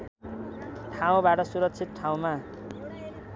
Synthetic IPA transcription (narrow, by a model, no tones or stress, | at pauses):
ʈʰaw̃baʈʌsuɾʌk̚t͡sʰit̪̚ʈʰaw̃ma